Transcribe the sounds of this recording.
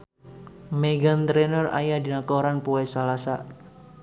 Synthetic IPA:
meɡant̪ɾɛnəra̰jadinakɔɾanpuɛsalasa

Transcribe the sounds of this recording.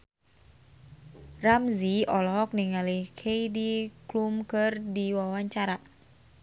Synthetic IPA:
ramziɔlɔɦɔk̚niŋalihkʰejdiklumkɨrdiwawaɲt͡ʃaɾa

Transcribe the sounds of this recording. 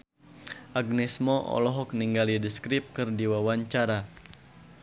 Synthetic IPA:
ʔaɡ̚nɛsmɔʔɔ̰lɔɦɔk̚niŋɡalidiskɾip̚kɨrdiwawaɲt͡ʃaɾa

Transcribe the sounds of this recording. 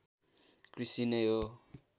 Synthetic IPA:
kɾisinejo

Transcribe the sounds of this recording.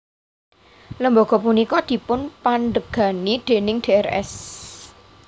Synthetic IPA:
ləmboɡ̥ɔpunikɔd̪̥i̤pʊnpaɳɖəɡ̥a̤nid̪̥e̤nɪŋd̪̥eɛrɛ̰s

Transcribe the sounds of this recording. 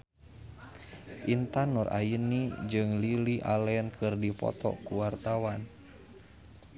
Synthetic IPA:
ʔint̪anɔrʔa̰jənid͡ʒɨŋliliʔalɛɛnkɨrdipɔ̰t̪ɔ̰kuwart̪awan

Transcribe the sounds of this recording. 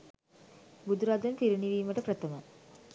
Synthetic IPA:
bud̪uɾad̪ɐnpiɾiɳiʋiːmɐʈəprɐt̪ɐmə

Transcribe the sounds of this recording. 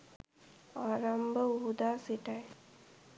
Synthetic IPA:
ɔːɾambʱəuɦud̪aːsiʈaj

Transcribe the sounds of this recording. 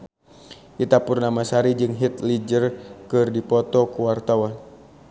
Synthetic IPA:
kit̪apʊrnamasaɾid͡ʒɨŋɦit̪lid͡ʒərkɨrdipɔt̪ɔkuwart̪awan

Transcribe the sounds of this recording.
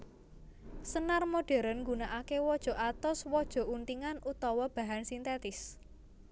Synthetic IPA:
sənarmoɖ̥ɛ̤ɾənŋɡunaʔakewɔd̥ʒ̥ɔ̤ʔat̪ɔswɔd̥ʒ̥ɔ̤unt̪iŋanʔut̪ɔwɔb̥ä̤ɦansint̪et̪ɪs

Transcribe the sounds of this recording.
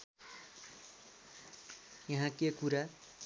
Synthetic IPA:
jʌɦãkekuɾa

